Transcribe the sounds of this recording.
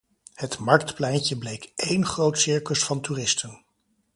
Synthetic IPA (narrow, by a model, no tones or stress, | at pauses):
hətmɑɹk̚tplɛjncəblejkejnχrowtsɪɹkəsfɑntuːrɪstən